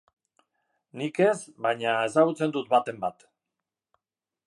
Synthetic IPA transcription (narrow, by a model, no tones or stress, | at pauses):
nike̞sβajɲae̞s̬aɣ̞ut͡se̞nd̪ut̪̚bat̪e̞mbat̪